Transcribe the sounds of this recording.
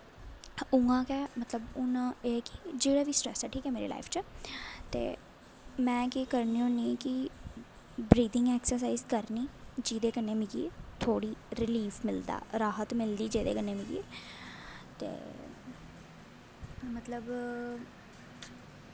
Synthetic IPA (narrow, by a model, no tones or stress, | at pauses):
ʊŋãːkɛːmət̪ləbʊnãːekɪ̥d͡ʒeːɽaːʋiːsʈɾɛːsaʈʰiːkɛːmeːɾḛla̰ːifʰt͡ʃaːt̪ḛː | mɛ̃ːkɪkəɾniːũniːkɪ | bɾiːd̪ɪ̃ŋɡɛːksəɾs̬aːizkəɾniːd͡ʒiːd̪eːkənːeːmɪɡiet̪ʰoːɽiːɾɪliːfʰmɪld̪a̰ːɾaːɦət̪mɪld̪iːd͡ʒeːd̪ḛːkəneːmɪɡḭḛ | t̪ḛː | mət̪ləb